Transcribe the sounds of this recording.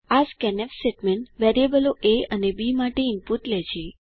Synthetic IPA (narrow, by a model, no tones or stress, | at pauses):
askɛnɛfseʈmɛɳʈʋeɾiebəloʔeənebimaʈeinpuʈlɛd͡ʒʰe